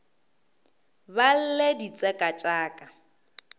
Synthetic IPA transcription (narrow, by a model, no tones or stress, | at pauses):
bal̩ledit͡sʼɛkʼat͡ʃʼaːkʼa